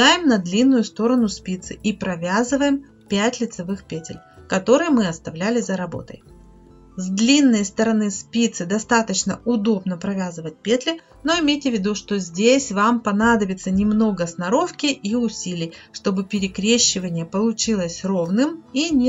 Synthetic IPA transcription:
ajɪmnɐd̪lʲinːʊjʊst̪o̞ɾənʊspʲit̪sɨ̰ʔipɾɐvʲazɨvəjɪm | pʲætʲlʲɪt̪sɐvɨxpʲetʲɪ̰lʲkɐt̪o̞ɾɨjmɨɐst̪ɐvlʲælʲɪzəɾɐbo̞̰t̪ə̰j | zd̪lʲinːəjst̪əɾɐnɨspʲit̪sɨd̪ɐst̪at̪ət͡ɕnəʊd̪o̞bnəpɾɐvʲazɨvət̚ʲpʲet̪lʲɪ | no̞ɪmʲejtʲɪvʲːɪd̪uʂt̪o̞zʲdʲesʲvampɐnad̪əbʲɪt̪sənʲɪmno̞ɡəsnɐɾo̞fkʲɪʔiʊsʲilʲɪjʂt̪o̞bɨpʲɪɾʲɪkɾʲeɕːɪvənʲɪjəpəlˠʊt͡ɕilˠəsʲro̞vnɨminʲ

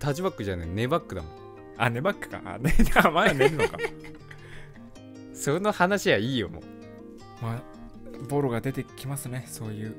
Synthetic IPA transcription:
t̪ad͡ʑibakːɯ̟ʑanene̞bakːɯ̟d̪amo | ane̞bakːɯ̟̥ka̰neamaaneɾɯ̟noka | sonohanaɕijaiːjomo̰ | ma | bo̞ɾoɡad̪e̞t̪e̞kʲimasɨne̞so̞ːjɯ̟ː

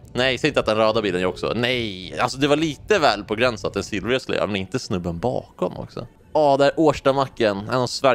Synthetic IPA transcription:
nɛjsɛjɪnt̪at̪̚d̪ɛnɾɑːd̪abiːlənjœːɾɔksɔ̰nɛjalsɔd̪ɛvaɭiːt̪əvɛːlpʰɔɡɾɛnsat̪ɛnsɪlɾøːslɛ̰ə̰mɛnɪnt̪əsnɵbːənbɑ̰ːkɔmɔ̰ksɔ̰ | ɑːd̪ɛæːɾʔoːʂʈamakːənɛnɔsvæ

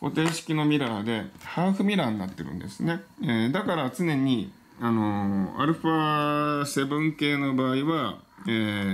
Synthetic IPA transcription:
ko̞̰t̪ẽ̞ːɕi̥kʲino̞mʲiɾaːd̪e̞haːɸɯ̟mʲiɾaːɲ̟inat̪ːe̞ɾɯ̟̰̃nd̪e̞sɨne̞eːd̪akaɾat͡sɨne̞ɲ̟i | ano̞a̰ɾɯ̟ɸase̞bɯ̟̃ŋke̞ːno̞baːiβaeː

